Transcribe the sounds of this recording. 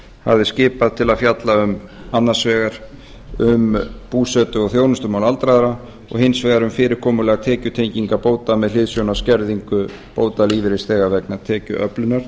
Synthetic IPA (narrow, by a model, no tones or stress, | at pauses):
ha̰vðɪscɪːpaðt̪ʰɪlaðfjat̪laʏm | anːasvɛːɣaɾ̥ | ʏmpuːsɛːt̪ʏɔɣθjoːwnʏst̪ʏmawlalt̪ɾaðaɾa | ɔ̰ɣhɪnsvɛːɣaɾʏmfɪːɾɪɾ̥kʰɔːmʏlɛːɣat̪ʰɛːcʏt̪ʰejɲciŋkapoːwt̪amɛðl̥ɪðsjownascɛɾðiŋkʏ | poːwt̪aliːvɪɾɪsθɛːɣavɛknat̪ʰɛːcʏ̰ʔœ̰plʏnaɾ̥